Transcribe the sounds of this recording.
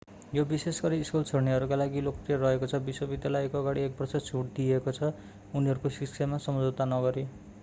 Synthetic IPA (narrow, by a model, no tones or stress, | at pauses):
jobisesɡʌɾiːskult͡sʰʌɽniɦʌɾukalaɡilokt̪iarʌɦekot͡sʰʌbiswʌbid̪jalʌjkoʌɡaɽ̃iek̚bʌrsʌt͡sʰuʈ̚d̪iekot͡sʰʌ | uniɦʌɾukosiksʰamasʌmd͡zot̪anʌɡʌɾe